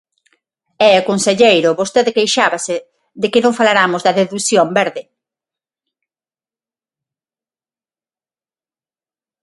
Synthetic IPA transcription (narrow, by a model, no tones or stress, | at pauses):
ɛakonseʎejɾʊβost̪eðekejʃaβasɪ | ðekɪnõŋfalaɾamʊzðɐðeðusjombɛɾðɪ